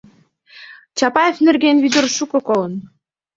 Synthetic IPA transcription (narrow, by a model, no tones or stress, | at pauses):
t͡ɕɑpɑjefnĕrɣenvyd̪ə̆rʃukɤ̆kolə̆n